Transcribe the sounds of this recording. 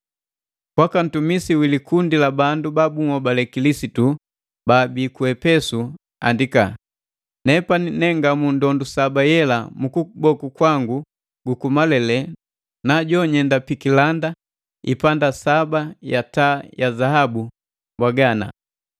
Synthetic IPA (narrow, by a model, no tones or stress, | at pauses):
kwakan̩tumisiwilikundilabandubabuŋɔbalɛkilisitu | baːbikuɛpɛsu | a̰ndika | nɛpaninɛŋɡamundɔndusabajɛlamukubɔkukwaŋɡu | ɡukumalɛlɛ | naɟɔɲɛndapikilanda | ipandasabajatajazahabu | bwaɡana̰